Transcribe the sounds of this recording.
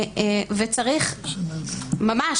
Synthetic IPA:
vet͡saʁiχ | mama

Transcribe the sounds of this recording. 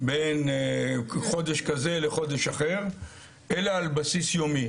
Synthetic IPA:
ben | χo̞d̪eʃkaze̞leχo̞d̪eʃaχe̞ʁ | elaːlbasisjomi

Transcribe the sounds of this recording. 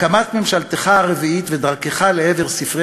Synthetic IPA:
kamat̪memʃalt̪eχaaʁeviit̪ve̞d̪aʁke̞χaleeve̞ʁsifʁe

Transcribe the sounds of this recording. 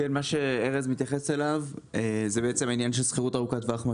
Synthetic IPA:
enmaʃe̞eʁezmit̪jaχese̞lavezebeet͡se̞mainjanʃe̞lsχeʁutaʁukatveaχma

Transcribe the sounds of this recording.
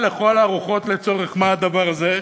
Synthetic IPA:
le̞χo̞laːʁuχo̞t̪le̞t͡so̞ʁeχmaad̪avaʁaze̞

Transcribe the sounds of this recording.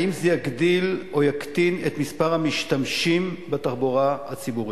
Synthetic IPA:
imzejaɡd̪ilo̞jakt̪inet̪mispaʁhamiʃt̪amʃimbet̪aχboʁahat͡sibuʁi

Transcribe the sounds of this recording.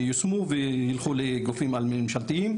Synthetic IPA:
josmuvejilχuleɡofimalmimʃalt̪iim

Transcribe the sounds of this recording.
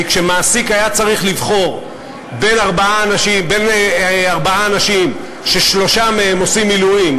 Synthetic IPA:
kʃe̞maːsikajat͡saʁiχlivχo̞ʁ | be̞naʁbaaːnaʃimbe̞neaʁbaaːnaʃim | ʃe̞ʃlo̞ʃameemo̞simːiluim

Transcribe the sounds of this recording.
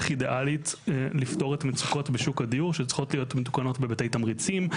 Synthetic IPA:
χideʔalitlifto̞ʁetamet͡su̥ko̞tbeʃukadijuʁʃet͡sχo̞tlijotmetu̥kano̞tbebatejtamʁit͡sim

